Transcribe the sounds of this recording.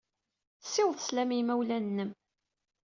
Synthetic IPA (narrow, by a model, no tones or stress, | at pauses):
θsːɪwðθə̥slæmimæwlænːəm